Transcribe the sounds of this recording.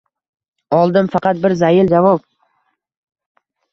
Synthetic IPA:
ɒlˠd̪ɪmfɑqɑt̪̚bɪɾzajɪld͡ʒavɒp̚

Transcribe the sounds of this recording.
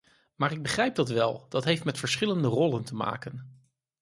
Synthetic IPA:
maːrɪɡ̚bəχrɛjp̚dɑtʋɛlˠd̥ɑtɦejftmɛtfəɹsχɪləndərɔləntəma̰ːkən

